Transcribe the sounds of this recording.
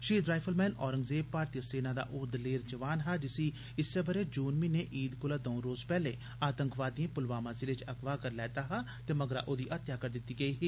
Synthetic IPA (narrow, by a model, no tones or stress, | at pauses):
ʃiːd̪ɾaːpʰəlmɛːnɔːɾəŋɡzeːpaːɾt̪ijəseːnaːd̪a̰ːʔʊd̪leːɾd͡ʒəʋaːnɦaːd͡ʒɪsiː | ɪsːəbəɾeːd͡ʒuːnmiːneːʔiːd̪kʊlaːd̪ɔ̃ːɾoːzpɛːleː | aːt̪ə̃ŋkʰʋaːd̪ĩẽːpʊlʋaːmãːzilɪt͡ʃəɡʋaːkəɾlɛːt̪aːɦaː | t̪eːməɡɾa̰ːʔoːd̪iːʔət̪jaːkəɾd̪ɪt̪ːiːɡəiːɦiː